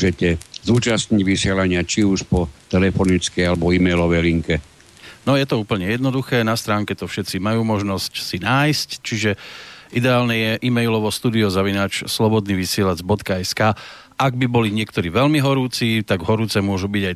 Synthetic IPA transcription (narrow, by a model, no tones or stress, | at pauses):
ʒɛcɛzuːt͡ʃasɲiɟʋisɪɛlaɲɪat͡ʃiuʃpɔt̪ɛlɛfɔnit͡skɛjalɛbɔiːmɛjlɔʋɛjliŋkɛ | nɔjɛt̪ɔuːpl̩ɲɛjɛd̪nɔd̪uxɛːnast̪ɾaːŋkɛt̪ɔfʃɛt̪t͡simajuːmɔʒnɔscsinaːjsct͡ʃiʒɛʔid̪ɛaːlnɛjɛʔimɛjlɔʋɔst̪uːd̪iɔzaʋinaːt͡ʃslɔbɔd̪niːʋisɪɛlad͡zbɔt̪kaɛskaː | ʔaɡ̚bibɔliɲɪɛkt̪ɔɾiːʋɛlmiɦɔɾuːt͡siːt̪aɡɦɔɾuːt͡sɛmʊɔʒubiɟaj